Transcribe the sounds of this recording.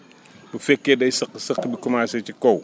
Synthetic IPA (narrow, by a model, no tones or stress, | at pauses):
bufɛkːeːdɐjsɐqːsɐqːbikumaːsɛcikɔw